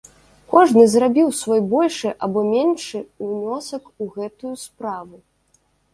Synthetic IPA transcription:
kɔʐnɨzrabʲiwsvɔjbɔlʲʂɨʔabɔmʲenʂɨnʲɔsɐkuɣɛt̪ujuspɾavu

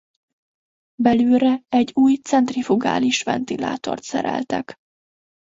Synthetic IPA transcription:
bɛlyːɾɛɛɟːuːjt̪sɛnt̪rifuɡa̰ːliʃfɛnt̪ila̰ːt̪o̞̰rt̪sɛɾɛ̰lt̪ɛk

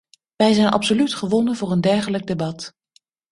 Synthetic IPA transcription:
ʋɛjzɛjnʔɑ̰psolytχəʋɔnənvʊːrəndɛɹχələɡ̚debɑt

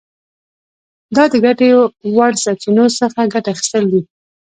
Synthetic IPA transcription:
d̪ɑd̪əɡaʈeowaɽsɑt͡ʃinosəxaɡaʈaːxi̥st̪əld̪i

